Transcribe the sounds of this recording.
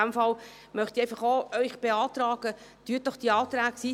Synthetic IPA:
æmfɑl | mœχt̪iɛɪjfɑχoœʏχb̥eɑːt̪rɑːɡ̥ət̪yːət̚dɔχd̥iːɑːt̪ɾæːksiː

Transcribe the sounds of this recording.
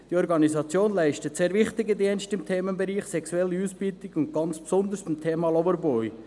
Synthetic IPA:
d̥iɔɾɡɑnizɑt͡sjoːnlæɪʃtətseːɾvɪχtɪɡədiənstɪmtʰeːmənbɛɾiːχsɛkswɛlːəuːsb̥iːltɪɡʊnt̚ɡ̥ɑnt͡spsɔnd̪əɾsɪmt̪ʰeːmɑlɔvəɾbɔʏ

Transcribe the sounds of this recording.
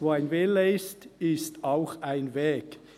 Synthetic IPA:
voːaɪnveːlːeɪstɪstaʊxaɪnvɛːɡ

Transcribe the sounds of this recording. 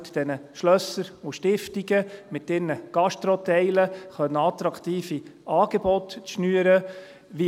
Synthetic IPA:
td̥ɛnəʃlœsːəɾuʃtɪftiɡəmɪtːɪːɾnəɡ̥ɑʃt̪ɾɔt̪ɛɪləχœnːəɑt̪ɾɑkt̪iːfiʔɑːɡ̥ebɔtt͡sʃnyəɾə | ʋi

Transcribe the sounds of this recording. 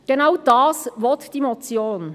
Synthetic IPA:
ɡ̥ɛnaʊd̥ɑːsvɔtd̥iːmɔt͡sjoːn

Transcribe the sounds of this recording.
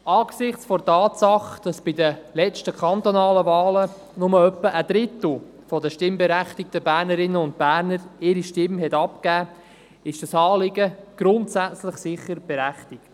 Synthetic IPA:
ɑːɡ̥sɪχt͡sfɔtɑːtsɑχd̥ɑsb̥idəlɛt͡ʃtəkχɑnt̪onɑːləvɑːlə | nʊməœpːəʔəd̥̪ɾɪt̪l̩ | fɔdəʃtɪmbɛɾæχtɪk̚təbæːɾnəɾɪnːəʊnt̚bæːɾnəɾɪɾiʃtɪmɦɛtɑp̚kæː | ɪʃd̥ɑsɑːlɪɡəɡ̥ɾʊntsæt͡slɪχsɪχːəɾb̥ɛɾæχtɪkt

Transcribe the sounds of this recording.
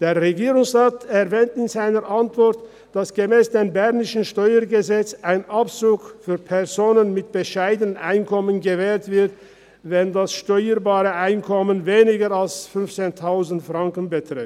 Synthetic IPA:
d̥eːɐʁeɡiːʁʊŋsʁaːtɛɐvɛːntɪnzaɪnəɾʔantv̥ɔɐt | d̥asɡ̥əmɛːsd̥eːmbɛʁnɪʃn̩ʃtɔʏəɡəzɛt͡saɪnʔapt͡suːkfyːɐpʰɛɐzoːnənmɪt̚b̥əʃaɪdənənʔaɪnkʰɔmənɡəvɛːltv̥ɪɐt | vɛndasʃtɔʏəbaːʁəʔaɪnkʰɔmənveːnɪɡəalsfʏnft͡seːntʰaʊzn̩tfʁ̥aŋkən̩bətʁ̥ɪ

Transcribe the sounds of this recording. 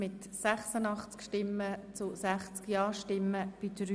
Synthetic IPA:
mɪt̪ | sæχsənɑχt͡skʃtɪmːət͡sʊsæχt͡skjɑːʃtɪmːəb̥idɾy

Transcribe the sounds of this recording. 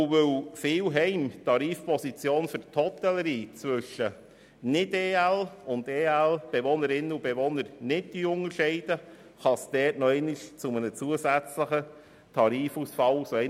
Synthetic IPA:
ʊvɵwfɪːwɦɛɪmtɑɾiːfpɔsit͡sjoːnfʏɾthɔtɛləɾiːt͡sʋʏʃə | nɪdeːælʊndeːælb̥eʋɔnəɾɪnːəubeʋɔnəɾnɪdd̥iʊŋəɾʃɛɪd̥ə | χɑsd̥ɛːtnɔɛɪnɪʃt͡sʊmənət͡suəsæt͡sləχə | tʰɑɾiːfusfɑwsoɛɪ

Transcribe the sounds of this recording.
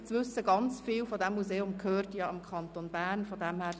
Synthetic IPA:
t͡sʋʏsəɡɑnt͡sfiːlfɔdɛmːuzeːʊmkʰhøːrtjɑɪmkʰɑnt̪onb̥æːrnfɔdɛmhæː

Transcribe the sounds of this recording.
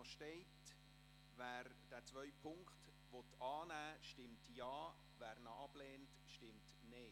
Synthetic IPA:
ʃtɛɪt | væːɾ | d̥æːt͡svœʏpʰʊŋkχt | ʋɔt̪ɑːnæːʃtɪmtjɑː | væːɾnɑɑb̥leːnt | ʃtɪmt | ne

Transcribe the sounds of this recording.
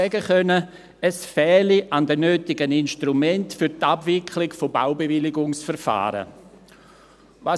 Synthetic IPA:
ɛɡəχœnə | əsfɛːliʔandənøːtɪɡəninʃtɾumɛntfyɾtabvɪkʰlɪɡfobaʊbevɪlɪɡʊŋsfɛɾfa̰ːɾə̰ | va

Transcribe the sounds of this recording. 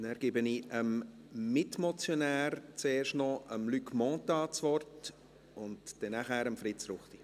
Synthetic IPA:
næɾɡ̥ɪbəniəm | mɪtmɔt͡sjonæːɾt͡seːrʃtnɔʔəmlykmɔ̃t̪ɑːt͡sʋɔrt | ʊntd̥ɛnːaχæːɾəmfɾɪt͡sɾʊχti

